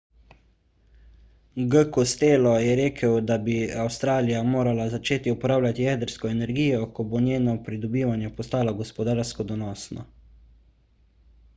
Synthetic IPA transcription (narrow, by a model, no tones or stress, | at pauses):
ɡəkɔst̪eːlɔjɛɾeːkʰəwd̪abiawst̪ɾaːlijamoːɾalazat͡ʃeːt̪iupɔɾaːwlʲat̪ijɛːd̪əɾskɔɛnɛɾɡiːjɔkɔbonjeːnɔpɾid̪ɔbiːʋanjɛpɔst̪aːlɔɡɔspɔd̪aːɾskɔd̪ɔnɔːsnɔ̰